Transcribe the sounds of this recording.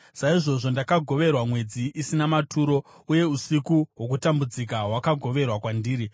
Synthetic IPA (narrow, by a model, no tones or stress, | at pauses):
saiʐo̞ʐo̞ndakaɡʱo̞ʋe̞rwamwe̞d͡ziʔisinamatʰuːɾo̞ | uje̞usikuɦwo̞k̬utambud͡zikaɦwakaɡʱo̞ʋe̞rwakwandiːɾi